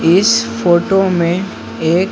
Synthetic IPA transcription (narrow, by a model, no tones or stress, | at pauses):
ɪsfoːʈomẽ | eːk